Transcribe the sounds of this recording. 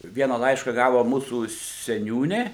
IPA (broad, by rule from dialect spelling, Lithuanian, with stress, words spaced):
ˈʋʲiɛnɐ ˈlˠɐɪʃkɐ ˈɡɑːʋoː ˈmuːsuː sʲɛˈnʲuːnʲeː